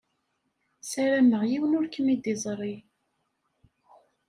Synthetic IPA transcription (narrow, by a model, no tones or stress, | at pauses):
sæɾæməʁjiwənʊɾkəmid̪izˤɾˤi